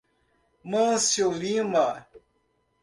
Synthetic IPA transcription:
mãsjolima

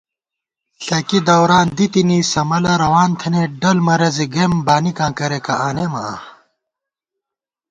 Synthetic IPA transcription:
ɬɐkid̪ɐwɾaːnd̪it̪inisɐmɐlɐɾɐwaːnt̪ʰɐneɖɐlmɐɾɐziɡembaːnikãːkɐɾekɐʔaːnemɐ̰a̰

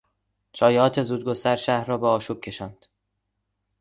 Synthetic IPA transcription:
t͡ʃʰɒːjɒːt̪ʰe̞zuːd̪̚ɡost̪æɾʃæhɾrːɒːbeɒːʃuːb̥̚cʰe̞ʃɒːnd̪̥

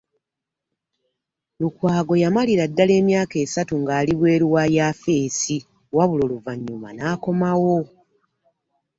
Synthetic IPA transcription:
lukwaːɡo̞jamaliɾadːale̞ːmjaːke̞ːsatuŋɡaːliβwe̞ːɾuwajaːfe̞ːsi | waβulo̞luvaɲːuma̰naːko̞mawo̞

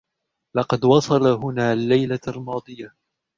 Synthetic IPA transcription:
lɑqɑd̪wɑsˤɑlaɦʊnaːlːajlalmɑːd̪ˤɨja

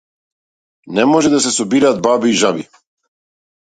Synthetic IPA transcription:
nɛmɔʒɛd̪asɛsɔbiɾaːd̪̚babiːʒabi

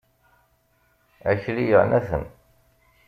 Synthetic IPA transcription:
æçɾijənæθə̰n

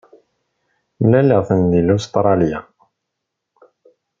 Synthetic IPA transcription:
mlæləʁθənðilust̪ɾˤɑlja̰

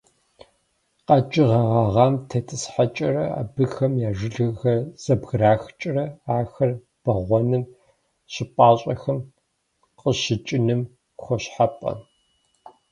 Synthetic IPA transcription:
qɐd͡ʒʼɪʁɐʁɐʁɑːmtʰɐtʰɨsħat͡ʃʼɐrɐa̰bɨxɐmjaːʒɪɮɨxɐrz̥ɐbɣraːxt͡ʃʼrɐaːxɐr | b̥ɐʁʷɔnɨm | ɕɪpʷʼaːɕʼɐxɐm | qʼəɕɪt͡ʃʼɪnɨm | xʷɔɕħapʼɐ̰

